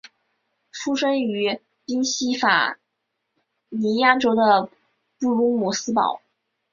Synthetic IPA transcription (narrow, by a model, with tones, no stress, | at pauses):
fu˥ʂə˥ŋy˧˥ | pi˥nɕi˥fa̰˨˩ | ni˧˥ja˥ʈ͡ʂo˥ʊd̪ə˨ | pu˥˩lʊ˥ŋmu˥sɹ̩˥pɑ̰˨˩˦ʊ